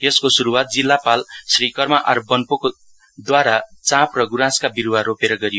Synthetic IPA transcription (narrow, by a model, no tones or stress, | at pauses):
eskosuɾuwat̪̚d͡zilːapalsrikʌrmaʔʌɾbʌnpoko | d̪waɾat͡sãprʌɡuɾãskabiɾuwaɾopeɾʌɡʌɾijo